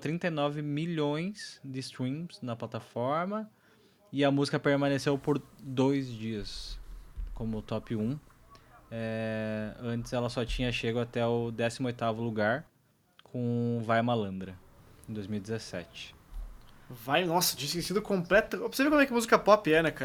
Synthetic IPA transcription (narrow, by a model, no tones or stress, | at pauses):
t̪ɾĩnt̪ɐjnɔvɪmiʎõj̃sd̪ɪst̪ɾĩsnɐplat̪afɔɾmɐ | ɪɐmuzikɐpeɾmɐ̃nesewpoɾd̪ojzd͡ʒiɐs | kõmʊt̪ɔpɪũ | ɛ | ɐ̃nt͡ʃ̪ɪsɛlɐsɔt͡ʃĩɲɐʃeɡʊat̪ɛʊd̪ɛsimʊojt̪avʊluɡaɾ | kʰõvajmalɐ̃nd̪ɾɐ | ẽd̪ojzmiwidd͡ʒɪzesɛ̰t͡ʃɪ̥ | vajnɔsɐ̥d͡ʒĩsɪkẽsĩd̪ʊkõmplɛt̪ɐb̥seɾvekõmɛkɪmuzikɐpɔpɪɛnɛka